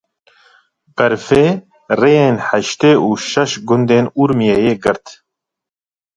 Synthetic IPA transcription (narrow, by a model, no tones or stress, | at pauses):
b̥ɛɾfeː | rejeːnħæʃt̪eːʔuːʃɛʃɡʊnd̪eːnuɾmijejeːɡɨɾt̪